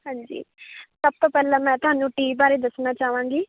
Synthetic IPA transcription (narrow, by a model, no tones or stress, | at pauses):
hãːɲd͡ʒḭːsəb̚t̪oːpɛːlãːmɛ̃ːt̪ʊɦaːnũːʈiːbaːɾeːd̪əsnaːt͡ʃaːʋãːŋɡiː